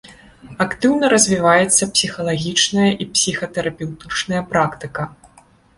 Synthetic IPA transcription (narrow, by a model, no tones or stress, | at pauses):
akt̪ɨwnɐɾɐzʲvʲivajɛt̪sːɐpsʲixɐlˠaɣʲit͡ʂnɐjɐʔipsʲixɐt̪ɛɾɐpʲɛwt̪ɨt͡ʂnɐjɐpɾakt̪ɨkɐ